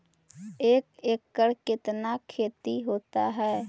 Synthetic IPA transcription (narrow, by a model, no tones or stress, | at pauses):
eːkeːkːəɾkɪt̪nakʰeːt̪iɦoːt̪aɦɛː